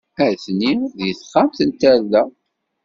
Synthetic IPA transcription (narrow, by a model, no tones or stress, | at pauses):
æɾθniðjəθχamθənt̪æɾlːæ